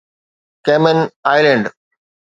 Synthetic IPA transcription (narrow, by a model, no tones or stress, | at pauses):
keːmənaːɪlẽɳɖ